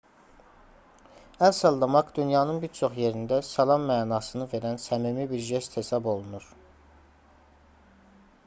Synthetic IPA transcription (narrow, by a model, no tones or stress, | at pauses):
ænsɑlˠd̪ɑmɑkd̪ynjɑːnɯnbiɾt͡ʃʰo̞χje̞ɾind̪æsɑlˠɑmːæːnɑːsɯnɯve̞ɾænsæmimibiɾʒest̪he̞sɑbo̞lˠunuɾ̥